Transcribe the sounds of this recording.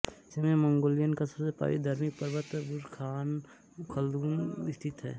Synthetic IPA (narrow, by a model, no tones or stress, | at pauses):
semẽmə̃ŋɡoːlɪjənkasəɾsepa̰ːḭd̪ʱɐɾmipəɾʋət̪buɾkʰaːn | kʰəld̪uːnɪst̪ʰɪt̪ɦɛ̰ː